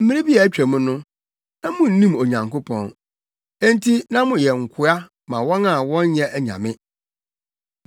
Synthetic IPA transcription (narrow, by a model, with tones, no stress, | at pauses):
m̩˦mĩ˦ɾi˦bi˦ɛ˨æ˦t͡ɕᶣæ˨mʊ̃˦nʊ̃˦ | nã˦mʊ̃˨n̩˦nĩ˦mo˨ɲã˨ŋko˦pʰɔ̰̃˨n | e˦ntʰi˦nã˦mʊ̃˨jɛ˨ŋ̩˨kʷʰʊ˨˦a˦ | mã˨wɔ̃˦na˦˨wɔ̃˦n˦jɛ̃˦ʔæ˨ɲã̰˨mɪ̃˦